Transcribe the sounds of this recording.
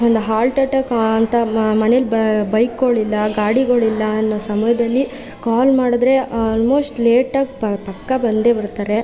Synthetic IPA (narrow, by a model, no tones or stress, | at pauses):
ond̪uɦaːlʈɐʈɐkɐnt̪ɐmɐnelubbɐjkːoɭilːɐɡaːɽiɡɐɭilːɐːnːosɐmɐjɐd̪ɐlːi | kaːlmaːɽɐd̪ɾe̞aːlmo̞ːsʈleːʈɐɡpɐpɐkːɐbɐnd̪e̞bɐɾt̪aːɾe̞